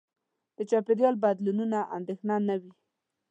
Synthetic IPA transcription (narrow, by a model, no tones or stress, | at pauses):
d̪̥ət͡ʃɑped̪jɑlbad̪lununaʔa̰nd̪exnanawi